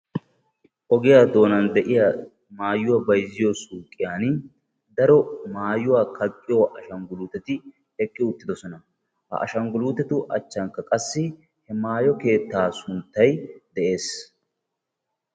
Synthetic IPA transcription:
ʔɔɡɪjaːd̪o̞ːnɐnd̪ɛʔɪja | maːjːʊwɐbɐjzɪjɔsuːkʼːɪjaːn | d̪ɐɾɔmaːjʊwaːkʰɐkʼːɪjɔʔɐʃɐŋɡʊluːt̪ɛt̪ɪ | ɛkʼːɪʊt̪ːɪd̪ɔsɔnɐ | hɐ̰ʔɐ̰ʃɐŋɡʊluːt̪ɛt̪ʊʔɐ̰t͡ʃːɐŋkːɐkʼɐsːɪ | hɛmaːjɔke̞ːt̪ːaːsʊnt̪ːɐjd̪ɛʔe̞ːs

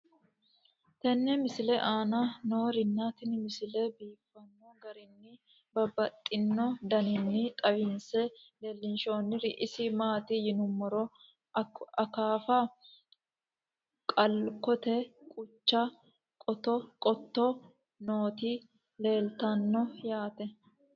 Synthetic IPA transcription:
t̪ɛnːɛmɪsɪlɛʔaːnɐno̞ːɾɪnːaːt̪ɪnmɪsɪlɛbiːfːɐnːɔɡɐɾɪnːɪ | bɐbɐt̪ʼːɪnːɔd̪ɐnɪnːɪt̪ʼɐwɪnsɛleːlːɪnʃoːnːɪɾɪʔɪsɪmaːt̪ɪjɪnʊmːɔɾɔ | ɐkaːfɐ | kʼɐlkɔt̪ɛkʼʊt͡ʃːɐ | kʼɔt̪ɔkʼɔt̪ːɔ | noːt̪i | le̞ːlt̪ɐnːɔjaːt̪ɛ

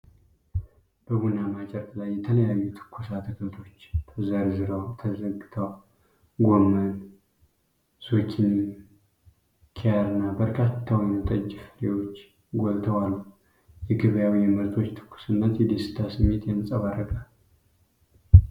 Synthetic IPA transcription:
b̥əɡunamat͡ʃʼɛɾk̪ʼlajːɛt̪ʰələjajːut̪ʰɨ̥kʰːusat̪ʰɨkʰəlt̪ʰo̞t͡ʃːt̪ʰəzəɾzɨɾəwt̪ʰəzəɡɨt̪ʰəw | ɡomːən | z̥okʰin | kʰejaɾɨnːabəɾkʰat̪ʰːawjɛmt̪ʼəd͡ʒfɨlewo̞t͡ʃː | ɡolt̪ʰəwalːuh | jɛɡɨβəjawijɛməɾt̪ʰo̞t͡ʃːt̪ʰɨ̥kʰːu̥sɨnːət̪jɛd̪esɨ̥t̪ʰasɨmːet̪jɛməsʼaβarːəɡʼal

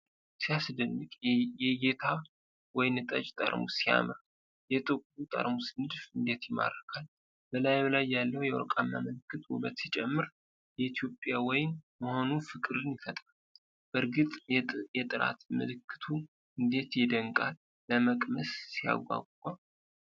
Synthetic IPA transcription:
sijasd̪ɨnːɨkʼɛɡet̪ʰaβ | wɔjɪnjɛt̪ʼə̰d͡ʒt̪ʼə̰ɾmusija̰mɾa | jɛt̪ʼɨkʷʼbut̪ʼə̰ɾmusnɨd̪fɨnd̪e̞t̪jɪma̰ɾːəkʰal | bəlajblajːalːəhwjɛwɔ̰ɾkʼanːaməlɨkːɨt̪ṵbət̪sit͡ʃʼɛmːɨɾ | jɛit̪ʰjo̞pʼjawɔjɪnməho̞nufɨkʼɨɾɨnjɪfət̪ʼal | b̥əɾɡɨt̪ʼjɛt̪ʼɨɾa̰t̪mɨlɨkʰːɨ̥t̪ʰu | ʔɨnd̪e̞t̪jɛd̪əŋkʼalː | əməkʼməsːija̰ɡʷa̰ɡʼkʼːal

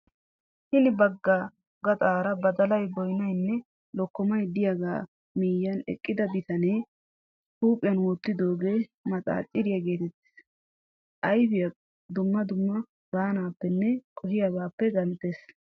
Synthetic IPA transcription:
hɪnɪbɐɡːa | ɡɐt̪ʼaːɾɐbɐd̪ɐlɐjbɔjnɐjnːɛ | lɔkːɔmɐjd̪ɪjaɡa̰ː | miːjɐnɛ̰kʼːɪd̪ɐbɪt̪ɐne | huːpʼːɪjɐnwɔt̪ːɪd̪o̞ːɡe̞ːmɐt͡sʼa̰ːt͡ʃʼːɪɾɪjɐɡe̞ːt̪ɛt̪ːɪ̥s | ʔɐjbɪjɐ | d̪ʊmːɐd̪ʊmːɐ | baːnaːpːɛnːɛkʼɔhɪjabaːpːɛɡɐnt̪ːeːs

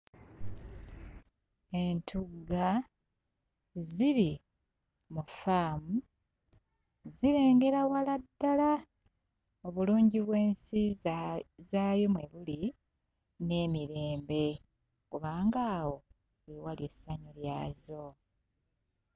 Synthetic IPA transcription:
e̞ntʰuɡa | ziɾi | mufaːmu | ziɾe̞ːŋɡe̞ɾawaladːala | oβuluːɲɟiβwe̞ːnsi | zaːjo̞mweβuli | ne̞ːmiɾe̞ːmbe̞ | kuβaːŋɡaːwo̞ | wewalie̞saɲuljaːzo̞

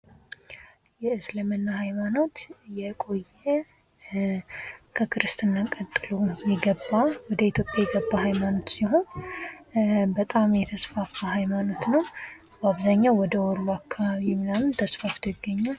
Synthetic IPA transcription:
jɛɨsləmənːahajmano̞t̪jɛkʼo̞jːɛ | kʰəkʰɨɾɨst̪ɨnːakʼət̪ʼːɨlujɛɡəbːawɔd̪əit̪ʰjo̞pʼːjajɛɡəbːahajmano̞t̪siɦo̞n | bət̪ʼamjɛt̪ʰəsfafaɦajmano̞t̪nəw | baβzaɲːawɔd̪əwɔlːuakʰːaβaβimɨlamɨnt̪ʰəsfaft̪ʰojɪɡːəɲːal

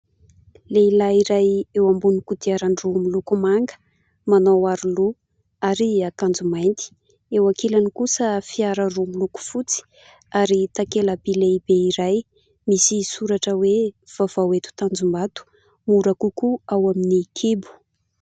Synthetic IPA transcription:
leilaiɾajewambunikud̪iaɾaɳɖ͡ʐuamilukumaŋɡə̥ | manowaɾulu | aɾiakand͡zumajnt̪i̥ | ewakelanikusəfiaɾərumiluku̥fut͡si̥ | aɾit̪akelabileibeiɾaj | misisuɾaʈ͡ʂəwe | v̥av̥awet̪u̥t̪and͡zumbat̪u̥ | muɾakukuawaminikʰebu̥

